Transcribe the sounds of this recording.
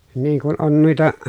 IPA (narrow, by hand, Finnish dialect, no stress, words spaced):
niːŋ kun on nuitɑ